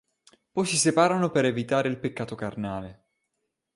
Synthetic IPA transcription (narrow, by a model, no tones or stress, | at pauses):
pɔjsisepaːɾanopeɾevit̪aːɾeilpekːaːt̪okarnaːle